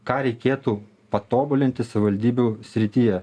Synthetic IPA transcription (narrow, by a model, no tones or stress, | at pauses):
kɑːɾʲɛɪkʲeːt̪uː | pɐt̪oːbʊlʲɪnʲt̪ʲɪsɐʋʲɪʋɐlʲd̪ʲiːbʲusʲɾʲɪt̪ʲijɛ